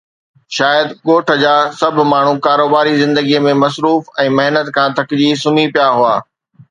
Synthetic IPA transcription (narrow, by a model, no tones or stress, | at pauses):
ʃaːjəd̪ɠoːʈʰə̆d͡ʑaːsɐbʱʊ̆maːɳ̤ũkaːɾoːbaːɾizɪ̃nd̪əɡiəmẽmɐsɾuːfɛ̃ːmɐɦnət̪kʰãːt̪ʰɐkɪd͡ʑisʊn̤ipijaɦʊa̰ː